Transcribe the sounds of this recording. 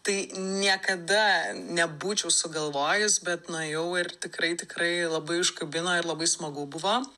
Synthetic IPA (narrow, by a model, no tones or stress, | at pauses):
t̪ɐɪnʲiɛkɐd̪ɐnʲɛbuːt͡ʃʲɛʊsʊɡɐlˠʋoːjɪsbʲɛt̪nɐjɛʊɪrt̪ʲɪkɾɐɪt̪ʲɪkɾɐɪlˠɐbɐɪʊʃkɐbʲɪnoːɪɾlˠɐbɐɪsmɐɡʊbʊʋoː